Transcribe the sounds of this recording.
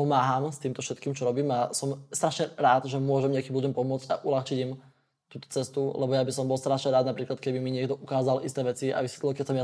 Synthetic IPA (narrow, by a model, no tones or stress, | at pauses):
pɔmaːɦaːmst̪iːmt̪ɔfʃɛt̪kiːmt͡ʃɔɾɔbiːmasɔmst̪ɾaʃɲɛɾaːd̪ʒɛmʊɔʒɛmɲɪakiːmbudɛmpɔmʊɔt͡sɟa̰ʔulaxt͡ʃiɟim | t̪uːt̪ɔ̥t͡sɛst̪ulɛ̰bɔjabisɔmbɔlst̪ɾaʃɲɛɾaːd̪napɾiːklat̪kɛbimiɲɪɛɡd̪ɔʔukaːzalʔist̪ɛːʋɛt͡sia̰ʋisɛt̪llkɛcsamja